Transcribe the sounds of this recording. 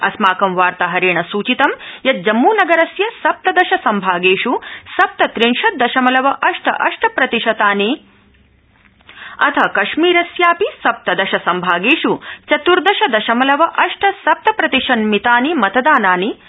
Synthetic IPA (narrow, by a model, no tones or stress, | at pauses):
ɐ̰smaːkɐmʋaːɾt̪ɐɦɐɾeːɳɐsuːt͡ʃit̪ɐmjɐt̪̚d͡ʒɐmːuːnɐɡɐɾɐsjɐsɐp̚t̪ɐd̪ɐʃɐsɐmbʱaːɡeːʂusɐp̚t̪ɐt̪ɾinʃɐt̪̚d̪ɐʃɐmɐlɐʋɐʔɐʂʈʰɐ̰ʔɐʂʈʰɐpɾɐt̪iʃɐt̪aːni | ɐ̰t̪ʰɐkɐʃmiːɾɐsjaːpisɐp̚t̪ɐd̪ɐʃɐsɐmbʱaːɡeːʂut͡ʃɐt̪uɾd̪ɐʃɐd̪ɐʃɐmɐlɐʋɐʔɐʂʈʰɐsɐp̚t̪ɐpɾɐt̪iʃɐnmit̪aːnimɐt̪ɐd̪aːnaːni